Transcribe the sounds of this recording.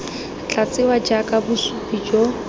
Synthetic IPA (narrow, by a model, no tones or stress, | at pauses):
t͡ɬʼat͡sɪwad͡ʒakʼabʊsupʼid͡ʒo